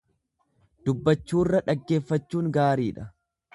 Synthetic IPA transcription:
d̪̥ʊbːɐt͡ʃːuːɪrːɐᶑɐɡːe̞ːfːɐt͡ʃːuːŋɡaːɾiːᶑɐ

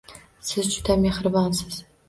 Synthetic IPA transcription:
sɨzt͡ʃʰʼu̥t̪ʰɐmeχɨrbansɨz̥

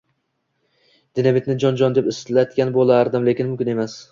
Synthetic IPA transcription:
d̪̥ɪnamet̪nɪd͡ʒɒnd͡ʒɒnd̪epɪslat̪kʲanbolˠaɾd̪ɪmle̞kʲɪnmʊmkʲɪnemas

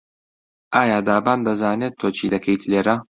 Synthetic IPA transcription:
ʔaːjaːd̪aːbaːnd̪ɐzaːnet̪ʰːoːt͡ʃʰiːd̪ɐkʰɐjt̪ʰleːɾɐ

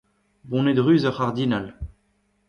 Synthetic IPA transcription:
bɔ̃ned̪ʁyːzəʁaʁd̪inal

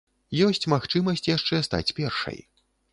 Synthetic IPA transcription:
jɔsʲt͡sʲmaxt͡ʂɨmɐsʲt͡sʲjaʂt͡ʂɛst̪a̰t͡sʲpʲɛrʂɐ̰j

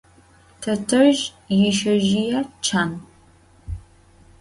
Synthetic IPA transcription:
tʰɐtʰɐʒ | jɪʃɐʒijɐt͡ʃʰaːn

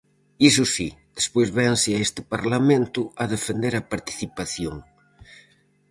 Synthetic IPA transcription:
isusid̪̥espojzβɛnsɪaest̪ɪpaɾlamẽnt̪ʊɐðefend̪eɾapaɾt̪i̥θipaθjoŋ

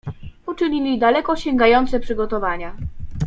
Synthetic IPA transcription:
ut͡ʂɘɲilʲid̪alɛkɔɕɛŋɡajɔnt̪sɛpʂɘɡɔt̪ɔvaɲa

